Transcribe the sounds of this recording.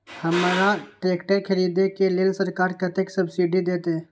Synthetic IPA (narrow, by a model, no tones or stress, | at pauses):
həmɾaʈɾekʈəɾkʰəɾid̪ekelelsəɾkaɾkət̪eksəbsiɖid̪et̪e